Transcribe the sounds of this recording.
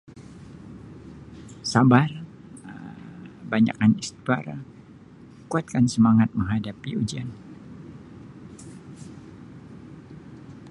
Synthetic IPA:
sabar | baɲa̰kanist̪ibaɾa | kuat̪̚kansəmaŋat̪̚məŋɦadapiud͡ʒian

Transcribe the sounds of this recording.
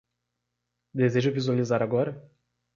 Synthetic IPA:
d̪ezeʒʊvizualizaɾaɡɔɾɐ

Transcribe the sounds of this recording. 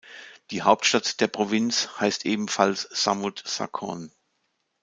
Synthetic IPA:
d̥iːhaʊp̚tʃtatd̥eːɐpʁ̥ovɪnt͡shaɪstʔeːbm̩falsz̥a̰mutsa̰kʰɔ̰n

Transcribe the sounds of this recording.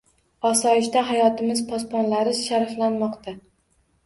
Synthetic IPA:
ɒsɒɪʃt̪aɦajɒt̪ʰɪmɪzpʰɒspɒnlaɾɪʃaɾflanmɒqt̪ʰa

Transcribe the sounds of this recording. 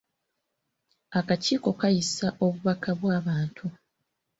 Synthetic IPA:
akaciːko̞kajisaʔo̞βuβakaβwaːβaːntʰu

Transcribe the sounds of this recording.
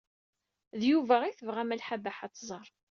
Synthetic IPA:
ðjuvæiθəvʁæmælħabæħat͡sːzˤəɾˤ

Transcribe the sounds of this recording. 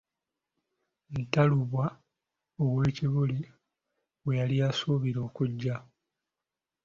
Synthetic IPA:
ntaluβwa | owweːciβuli | wwe̞jaliasuːβiɾo̞ːkuɟːa

